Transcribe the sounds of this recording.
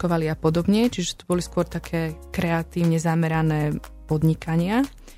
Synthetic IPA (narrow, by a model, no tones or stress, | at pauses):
kɔʋaliapɔd̪ɔbɲɛt͡ʃiʒɛt̪ubɔliskʊɔɾt̪akʰɛːkɾɛat̪iːʊɲɛzamɛɾanɛːpɔd̪ɲikaɲɪa